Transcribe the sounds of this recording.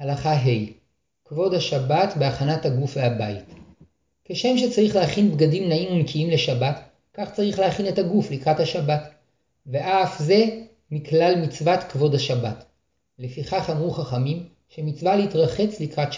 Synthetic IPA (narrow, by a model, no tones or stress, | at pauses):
halaχaɦe̞j | kvo̞dhaʃabatbeaχanathaɡufvehabait | ke̞ʃe̞mʃe̞t͡saʁiχlehaχinbɡadimnaimunkʰiimle̞ʃabat | kaχt͡saʁiχlehaχine̞taɡuflikʁathaʃabat | ve̞ʔafze̞ | miklalmit͡svatkvo̞dhaʃabat | le̞fiχaχamʁuχaχamim | ʃe̞mit͡svaleitʁaχe̞t͡slikʁat